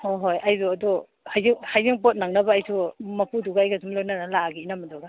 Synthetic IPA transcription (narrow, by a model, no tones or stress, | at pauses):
hojɦojʔajzuɐdu | hajziŋhajziŋpot̚naŋnɐbɐːjsʰumɐpuduɡaːjɡazumlojnanalaɡiːnamɐduɡa